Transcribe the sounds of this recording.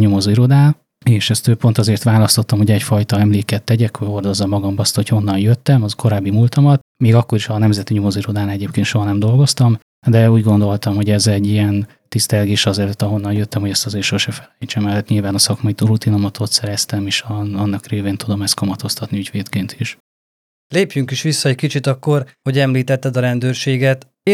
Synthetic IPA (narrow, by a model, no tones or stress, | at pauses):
ɲomo̞ziɾo̞d̪aːn | eːʃɛst̪øːpo̞nt̪ɒzeːrt̪ʋaːlɒst̪o̞t̪ːɒmho̞ɟɛcfɒjt̪ɒɛmleːkɛt̪ːɛɟɛkhoo̞rd̪o̞zːɒmːɒɡɒmbɒst̪ho̞cho̞nːɒnjøt̪ːɛmɒko̞ɾaːbːimult̪ɒmɒt̪ | meːɡɒkːo̞ɾiʃɒnɛmzɛt̪iɲomo̞ziɾo̞d̪aːnɛɟeːpkeːnʃo̞ɦɒnɛmd̪o̞lɡo̞st̪ɒm | d̪ɛuːɟɡo̞nd̪o̞lt̪ɒmho̞ɟɛzɛɟːijɛn | t̪ist̪ɛlɡeːʃɒzɛløt̪ːɒɦo̞nːɒnjøt̪ːɛmho̞ɟɛst̪ɒzeːrʃo̞ʃɛfɛlɛjt͡ʃɛmɛlt̪ɲilvaːnɒsɒkmɒit̪oɾut̪ino̞mɒt̪ʰo̞t̪sɛɾɛst̪ɛmeːʃɒnːɒkreːveːnt̪ud̪o̞mɛst̪kɒmɒt̪o̞st̪ɒt̪niyɟʋeːt̪keːnt̪ʰiʃ | leːpjyŋkiʃʋisːɒɛckit͡ʃit̪ɒkːo̞rho̞ɟɛmliːt̪ɛt̪ːɛd̪ɒɾɛnd̪øːrʃeːɡɛt̪